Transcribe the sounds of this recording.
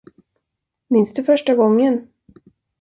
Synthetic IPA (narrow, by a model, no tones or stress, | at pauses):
mɪnsd̪ɵfœʂʈaɡɔŋːən